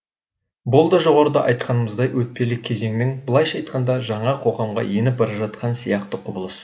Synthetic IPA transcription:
bʊlˠd̪ɑʒo̞ʁɑɾəd̪ɑʔɑjt̪̚qɑnəməzd̪ɑjwɵt̪̚pe̞lɪkʲʰːe̞ze̞ŋnɪŋbəlˠɑjʃɑjt̪qɑnd̪ɑʒɑɴɑqʰo̞ʁɑmʁɑ̰je̞nɪp̚bɑɾɑʒɑt̪qʰɑnsijɑqt̪əqʰʊbəlˠəs

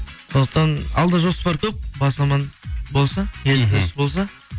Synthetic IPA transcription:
sond̪əqt̪ɑnɑlˠd̪ɑʒospɑɾkʲʰɵp̚bɑsɑmɑnbo̞lˠsɑjʰelt̪ɪɪsbo̞lˠs̬ɑ

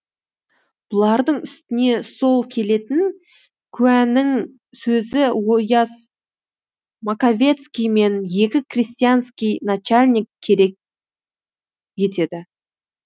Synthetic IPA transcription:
b̥ʊlˠɑɾd̪əɴɪst̪ɪne̞so̞lˠkʲʰe̞le̞t̪ɪn | kʲʰʉænɪŋ | sɵzɪwojɑs | makavʲe̞t̪skʲijme̞nje̞kʲɪkʰrʲisʲt̪ijanskʲijnat͡ʃalʲnʲikʲʰːe̞ɾe̞k̚ʲ | je̞t̪e̞d̪ɪ

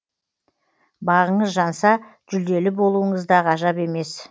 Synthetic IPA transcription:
bɑʁəɴəzʒɑnsɑʒ̥ʏld̪e̞lɪbo̞lˠuəɴəzd̪ɑʁɑʒɑpe̞me̞s

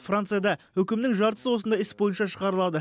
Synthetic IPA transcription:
frant̪sɨjad̪ɑwɵkʲɪmnɪŋʒɑɾt̪əsəwosənd̪ɑjɪsbo̞jənʃɑʃəʁɑɾəlˠɑd̪ə

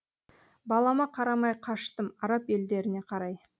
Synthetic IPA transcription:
bɑlˠɑmɑqʰɑɾɑmɑjqʰɑʃt̪əmɑɾɑpe̞ld̪e̞ɾɪne̞qʰɑɾɑj

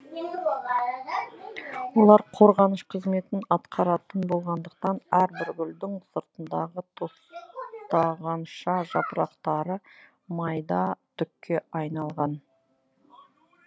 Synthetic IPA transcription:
wo̞lˠɑɾqʰo̞ɾʁɑnəʃqʰəzme̞t̪ɪnɑt̪qʰɑɾɑt̪ənbo̞lˠʁɑnd̪əq̚t̪ɑnæɾbɪɾɡʲʏld̪ɪŋsəɾt̪ənd̪ɑʁət̪ʰo̞st̪ɑʁɑnʃɑʒɑpɾɑqt̪ɑɾə | mɑjd̪ɑt̪ʰʏkʲːe̞ʔɑjnɑlˠʁɑn

